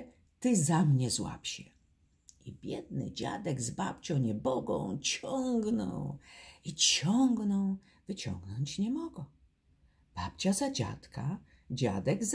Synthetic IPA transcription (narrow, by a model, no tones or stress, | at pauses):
t̪ɘzamɲɛzwa̰pɕɛ | ibʲjɛd̪̚nɘ̰d͡ʑa̰d̪ɛɡzba̰p̚t͡ɕɔ̃w̃ɲɛbɔɡɔ̰̃w̃t͡ɕɔŋɡnɔ̰wit͡ɕɔŋɡnɔw | vɘt͡ɕɔ̰̃ŋɡnɔɲt͡ɕɲɛmɔɡɔ̃ | b̥ap̚t͡ɕazad͡ʑa̰t̪ka | d͡ʑa̰d̪ɛɡz